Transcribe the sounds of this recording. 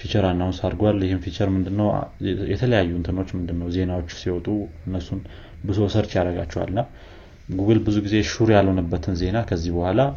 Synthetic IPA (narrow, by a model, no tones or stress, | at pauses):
fit͡ʃəɾanːawunsaɾɡwaljɪhɨmfit͡ʃəɾmɨnd̪ɨnːəw̰jɛt̪ʰələjajːuɨnt̪ʰɨno̞t͡ʃːmɨnd̪ɨnːəwze̞nawot͡ʃːsiwɔt̪ʼuɨnːəsun | bɨzo̞səɾt͡ʃjaɾəɡa̰t͡ʃːɛwa̰lɨnːa | ɡuɡɨlbɨzuɡize̞ʃuɾjalho̞nəbːət̪ʰɨnze̞nakʰəzːihbəhʷala